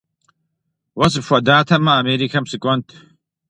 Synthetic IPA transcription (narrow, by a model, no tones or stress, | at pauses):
wɐsɨʂʷɐd̪aːt̪ʰɐmɐːmeːɾikʰɐmsɨkʷʼɔnt̪ʰ